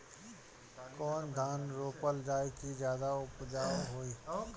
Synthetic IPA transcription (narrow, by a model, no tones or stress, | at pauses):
kɔːnd̪ʱaːnɾoːpəld͡ʒaːekid͡ʒjaːd̪aʊpd͡ʒaːɦoːiː